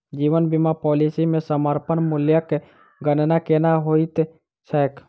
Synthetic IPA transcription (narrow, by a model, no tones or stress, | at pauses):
d͡ʒiːʋənbimapɔːlisimẽsəməɾpənmʊljəke | ɡənnakenaɦoit̪ | sɛːk